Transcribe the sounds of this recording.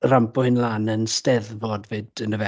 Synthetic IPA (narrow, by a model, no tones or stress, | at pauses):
rampʊhɨnlaːnənstɛðvodvɨdənəvɛ